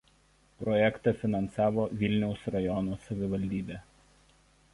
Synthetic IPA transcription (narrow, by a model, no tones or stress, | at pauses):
pɾɔjɛkt̪ɑˑfʲɪnɐnsɑːʋoːʋʲɪlʲnʲɛʊsɾɐjɔnoːsɐʋʲɪʋɐlʲd̪ʲiːbʲeː